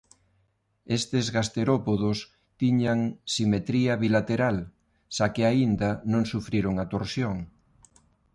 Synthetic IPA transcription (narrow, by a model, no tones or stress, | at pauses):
est̪ezɣast̪eɾopoðos | t̪iɲaŋsimet̪ɾiɐβilat̪eɾal | ʃakɪaind̪ɐnõŋsufɾiɾoŋat̪oɾsjoŋ